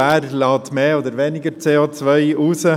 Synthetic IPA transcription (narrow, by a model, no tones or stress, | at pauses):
æːrlɑːtmeːoːdəɾʋɛnɪɡəɾt͡seːot͡svœɪʔuːsə